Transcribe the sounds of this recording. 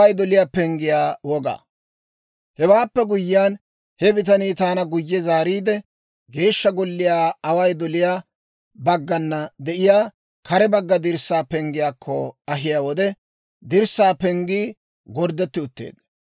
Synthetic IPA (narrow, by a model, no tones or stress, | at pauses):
ɐjd̪ɔlɪjaːpɛŋɡɪjaːwɔɡa̰ː | hɛwaːpːɛɡʊjːɪjaːn | hɛbɪt̪ɐniːt̪aːnɐɡʊjːɛzaːɾiːd̪ɛ | ɡe̞ːʃːɐɡɔlːɪjaːɐwɐjd̪ɔlɪjaː | bɐɡːɐnːɐd̪ɛʔɪjaː | kɐɾɛbɐɡːɐd̪ɪɾsːaːpɛŋɡɪjaːkʰːɔɐɦɪjaːwɔd̪ɛ | d̪ɪɾsːaːpɛŋɡiː | ɡɔɾd̪ɛt̪ːɪʊt̪ːḛːd̪̥